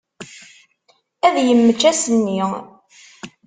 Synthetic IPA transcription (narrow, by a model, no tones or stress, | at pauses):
æðjəmːət͡ʃːæsənːi